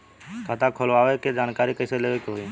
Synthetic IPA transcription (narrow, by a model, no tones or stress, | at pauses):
kʰat̪ʰakʰolʋaːʋeked͡ʒaːnkaːɾikəɪseleːʋekɦoi